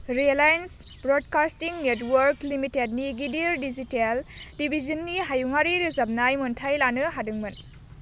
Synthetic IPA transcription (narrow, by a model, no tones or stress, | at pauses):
ɾielajnsbɾod̚kastiŋnetwɐɾklimitedniɡidiɾdiziteldibʱizɐnːiɦajuŋaɾiɾizab̚najmuntʰajlanɯɦadɯŋmɯn